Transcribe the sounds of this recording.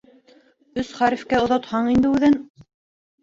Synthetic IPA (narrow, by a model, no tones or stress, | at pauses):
ɵsχæɾifkæŏðɑt̪hɑɴind̪ɘʉðɘn